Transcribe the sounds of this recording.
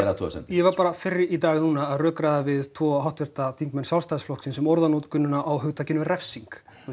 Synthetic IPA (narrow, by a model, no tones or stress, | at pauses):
ɛɾat̪ʰɔ̰sɛ̰njɛvaɾpaːɾafɪrːɪit̪aːɣnuːnaːðrœːkɾaðavɪðt̪ʰvɔːɦawht̪vɛɾ̥t̪aθiŋkmɛnsjalst̪ajðsflɔhksɪnsɛmɔɾðanot̪kʏnːʏnaʔawɦʏɣt̪ʰacɪnʏrɛfsiŋk